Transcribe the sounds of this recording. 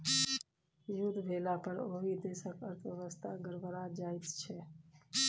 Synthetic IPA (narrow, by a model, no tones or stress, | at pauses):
jud̪ʱbʱeːlapəɾoːɦid̪eːsəkəɾt̪ʰəʋəst̪ʰaɡəɾbəɾad͡ʒaːɪt̪t͡ʃʰɛ